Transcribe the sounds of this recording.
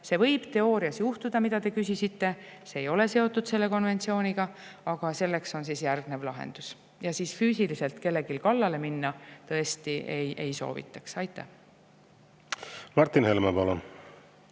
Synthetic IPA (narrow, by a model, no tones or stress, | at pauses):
se̞vɤ̞jb̥t̪e̞o̞ːɾiɑsjuht̪ud̪̥ɑmid̪ɑt̪e̞kysisit̪ːe̞seːjo̞le̞se̞o̞t̪ːˑud̪̥se̞lːe̞ko̞nve̞nt̪sio̞ːniɡ̥ɑɑɡ̥ɑse̞lːe̞kso̞ns̬iːsjærɡ̥nevlɑɦḛnd̪̥us | jɑsiːsfyːsilise̞lt̪ke̞lːe̞ɡilkɑlːɑle̞minːɑt̪ɤ̞e̞st̪iʔejʔe̞jso̞̰ːvḭt̪ːˑɑksɑjt̪ːˑæ̰h | mɑrt̪ːˑinhelmepɑlon